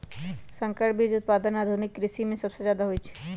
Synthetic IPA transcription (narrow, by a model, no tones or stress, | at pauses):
sə̃ŋkəʈbʱid͡ʒʊt̪̚paːd̪ənaːd̪ʱʊnɪkːɾɪʃimẽsɐbsezjaːd̪aɦoit͡ʃʰi̥